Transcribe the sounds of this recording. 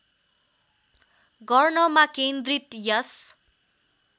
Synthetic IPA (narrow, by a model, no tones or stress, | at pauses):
ɡʌrnʌmakend̪rit̪jʌs